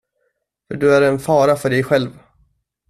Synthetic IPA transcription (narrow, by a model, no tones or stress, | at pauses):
fœɖɵæɾɛnfɑːɾafœɖɛjɧɛlv